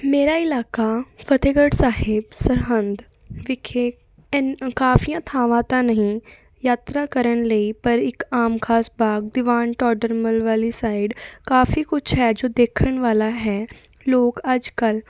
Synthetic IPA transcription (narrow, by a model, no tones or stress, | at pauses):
meːɾaɪlaːkafɐt̪eɡəɽsaːɦɪbsɐɾɦə̃nd̪ | ʋɪkʰeː | kaːfijãt̪ʰaːʋãt̪anɐɦĩ | jaːt̪ɾakɐɾəñleipɐɾɪkaːmkʰaːsbʱaːɡd̪ɪʋaːnʈɔːɖəɾməlʋaːlisaːɪɖkaːfikʊt͡ʃʰɦɛd͡ʒoːd̪eːkʰəñʋaːlaɦɛː | loːɡad͡ʒkɐl